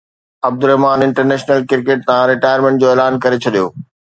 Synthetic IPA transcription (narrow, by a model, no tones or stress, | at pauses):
ɐb̚d̪ʊɾɛɦmaːnɪ̃ɳʈəɾneːʃnəlkɪɾkeːʈ̚t̪ãɾɪʈaːjəɾmẽɳʈ̚d͡ʑoːeːlaːnkɐɾet͡ɕʰɐɗijo̰ː